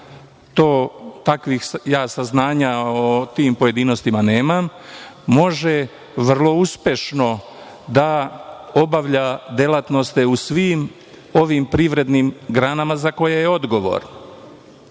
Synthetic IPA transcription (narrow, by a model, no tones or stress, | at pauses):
t̪o̞ːt̪akʋixjaːsaznaːɲaot̪iːmpo̞je̞d̪ino̞st̪imaneːmamː | o̞ʒe | ʋr̩lˠo̞uspje̞ʃno̞ | d̪ao̞baʋʎad̪elat̪no̞st̪e̞usʋiːm | o̞ʋimpɾiʋɾe̞d̪nimɡɾanamazako̞jejeo̞d̪ɡo̞ʋo̰ːɾ